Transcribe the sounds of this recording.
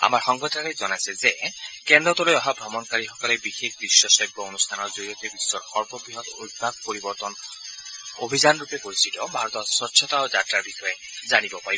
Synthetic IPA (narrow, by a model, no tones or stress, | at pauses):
a̰maɹxɔŋɡɔtʰaɹɔjzɔnajsɛzekɛnd̪ɔt̪ɔlojɔɦabʱɹɔmɔnkaɹixɔkɔlɛbixekdɹiʃjɔsɔɡbɔonust̪ʰanɔɹzoɹijɔt̪ebisːɔɹxɔɹbɔbɹiɦɔt̪o̰jd̚bʱaɡ̚poɹibɔɹt̪ɔn | obʱizanɹupepoɹisitɔbʱaɹɔt̪ɔswɔtːʃʰɔt̪aozatɹaɹbixɔjɛ | zanibɔpaɹibɔ